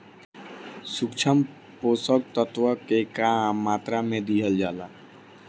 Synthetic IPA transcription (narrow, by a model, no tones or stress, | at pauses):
sukt͡ʃʰəm | poːsək̚t̪ət̪wəkekamːaːt̪ɾamẽd̪iɦəld͡ʒaːla